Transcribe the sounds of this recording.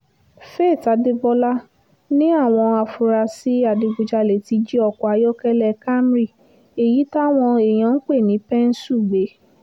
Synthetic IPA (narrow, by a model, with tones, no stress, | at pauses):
fe˦˨ta˨˦de˦bɔ˧la˦ | nĩ˦a˦˨w̃ɔ̃˧a˨fu˧ɾa˧si˨˦a˦˨di˨˧ɡ͡bu˧d͡ʒa˧le˨ti˧d͡ʒi˦ɔ˧˨kɔ˨a˧jɔ˦kɛ˦lɛ˧˨ka˦m˦ɾi˦˨ | e˨ji˨˦ta˦w̃ɔ̃˧e˨j̃ã˨˦n̩˦k͡pe˦˨nĩ˨˦pɛ˦n̩˦su˦˨ɡ͡be˨˦